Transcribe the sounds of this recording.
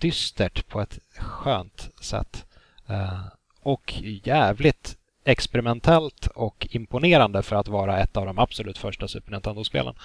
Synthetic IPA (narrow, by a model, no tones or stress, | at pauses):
d̪̥ʏst̪əʈpʰɔɛt̪ɧøːnt̪sɛ̰t̪ː | ɔkjæːvlɪt̪ | ɛkspɛɾɪmɛnt̪ʰɛlt̪ɔkɪmpʊneːɾand̪əfœɾat̪vɑːɾaɛt̪ːavd̪ɔmabsɔlʉ̟ːt̪fœʂʈasʉ̟ːpəɳɪnt̪ɛnd̪ʊspḛːlʔə̰n